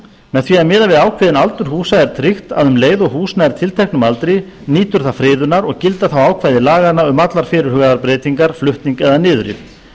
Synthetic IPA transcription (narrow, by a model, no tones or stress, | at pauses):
mɛðθviɛmɪːðavɪðaːwkʰvɪðɪnalt̪ʏɾ̥ɦuːsaɛɾ̥t̪ʰɾɪxt̪a̰ðʏmleːjðɔɣɦuːsnaɛɾ̥t̪ʰɪlt̪ʰɛjhknʏmalt̪ɾɪ | niːt̪ʏɾ̥θafɾɪːðʏnːaɾɔɣcɪlt̪aθawaːwkʰvajðɪlaːɣanaʏmat̪laɾ̥fɪːɾʏɾ̥hʏɣaðaɾpɾeːt̪iŋkaɾ̥flʏht̪niŋkɛðanɪːðʏɾɪ̰